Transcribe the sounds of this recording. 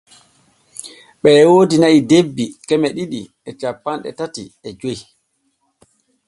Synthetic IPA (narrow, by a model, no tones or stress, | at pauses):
ɓɛwoːdinaidebːikɛmɛɗiɗi | ɛt͡ʃapːanɗɛ̰tatiɛd͡ʒoj